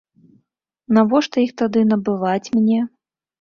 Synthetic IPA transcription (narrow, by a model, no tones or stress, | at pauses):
navɔʂt̪ɔjixt̪ad̪ɨnɐbɨvat͡sʲmʲnʲɛ